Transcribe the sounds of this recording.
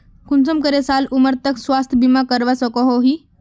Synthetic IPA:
kunt͡səmkəɾesaluməɾt̪əksʋast̪ʰbimakəɾʋasɔkɔɦoɦi

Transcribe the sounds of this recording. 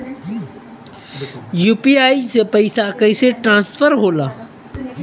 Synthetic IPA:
juːpiaːisepəɪsakəseʈɾãːnsfəɾɦoːlaː

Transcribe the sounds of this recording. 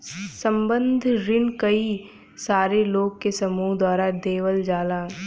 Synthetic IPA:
sə̃mbə̃nd̪ʱɾɪnkəi | saːɾeloːɡ̚kesɐmuːɦd̪aːɾad̪eːʋəld͡ʒaːlaː

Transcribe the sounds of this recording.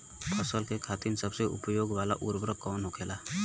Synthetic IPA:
pʰəsəlkekʰat̪insəbseṵpjoːɡʋaːla̰ʔuɾbɾəkɔːnɦokʰela

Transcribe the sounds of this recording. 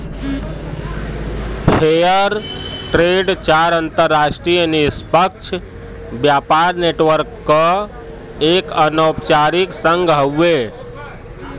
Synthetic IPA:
pʰejəɾʈɾeɖt͡ʃaɾənt̪əɾːasʈɾijənispəkt͡ʃʰ | bjapaɾneʈʋəɾkːə | ekənəpt͡ʃaɾiksəŋɡɦəwːe

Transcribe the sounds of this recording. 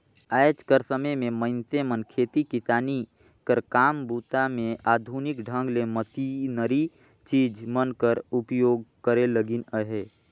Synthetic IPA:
aːjd͡ʒkəɾsəməjmẽməɪnt̪emənkʰeːt̪ikɪsaːni | kəɾkaːmbuːt̪amẽaːd̪ʱunɪkɖʱə̃ŋɡlemət̪inəɾi | t͡ʃiːd͡ʒmənkəɾʊpjoːɡkəɾeləɡɪnəɦeː

